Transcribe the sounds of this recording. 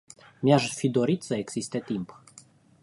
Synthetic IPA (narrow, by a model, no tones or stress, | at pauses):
mjaʃfid̪o̞ɾit̪səeɡz̥ist̪e̞t̪imp